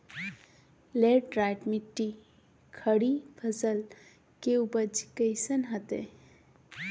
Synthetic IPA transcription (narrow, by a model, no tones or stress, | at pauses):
leɖɾajʈmiʈːi | kʰəɽibʰʱəzəl | keubəd͡ʒi̥kəjsənɦət̪ḛ